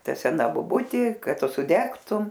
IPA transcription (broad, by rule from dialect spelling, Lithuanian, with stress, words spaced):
ˈtɐ sʲɛˈnɐ boːˈbʊtʲeː ˈkɐt ˈtʊ sʊdʲɛktʊm